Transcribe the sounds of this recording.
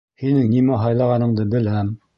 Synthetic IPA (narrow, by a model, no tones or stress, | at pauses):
hinɘŋnimæɦɑjlˠɑʁɑnɤ̆ɴd̪ɤbɘ̆læm